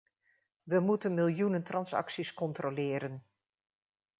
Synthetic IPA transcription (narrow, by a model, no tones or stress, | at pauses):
ʋəmutənmɪlˠjunəntrɑnsɑ̰ksiskɔntrolɪːɾən